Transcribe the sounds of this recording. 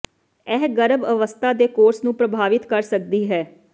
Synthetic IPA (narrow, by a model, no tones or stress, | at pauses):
ɛːɦɡəɾəbəʋəst̪ʰaːd̪eːkoːɾsnũːpɾəbʱaːʋɪt̪kəɾsək̚d̪iːɦɛː